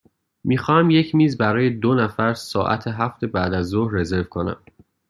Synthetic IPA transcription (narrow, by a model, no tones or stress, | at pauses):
miːxɒːhæmje̞cʰmiːzbæɾɒːje̞d̪onæfæɾsɒːʔæ̰t̪ʰeɦæft̪ʰe̞bæːd̪æzːohre̞ze̞ɾvkʰo̞næ̰m